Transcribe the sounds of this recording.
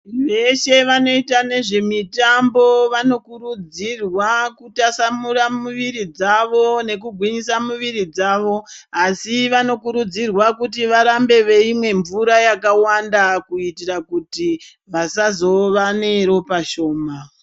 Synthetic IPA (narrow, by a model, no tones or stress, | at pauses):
ʋe̞ʃe̞ʋano̞itane̞ʐe̞mitambo̞ʋano̞kuɾud͡zirwakutasamuɾamuʋiɾid͡zaʋo̞ne̞k̬uɡʱwiɲisamuʋiɾid͡zaːʋo̞asiʋano̞kuɾud͡zirwakutiʋaɾambe̞ʋe̞imwe̞ɱvuɾajakawandakuitirakuti | ʋasazo̞ʋane̞ɾo̞paʃo̞ːma